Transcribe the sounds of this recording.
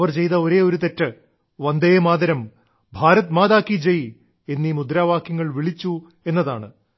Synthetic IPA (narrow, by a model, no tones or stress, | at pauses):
ʋɐrt͡ɕe̞jt̪ɐoɾe̞ːoɾut̪etːɨ | ʋɐnd̪ejɐmaːd̪ɐɾɐm | bʱaːɾɐt̪maːðaːkːid͡ʑej | e̞nːimud̪ɾaːʋaːkjɐŋːɐɭʋiɭit͡ɕːu | e̞nːɐðaːɳɨ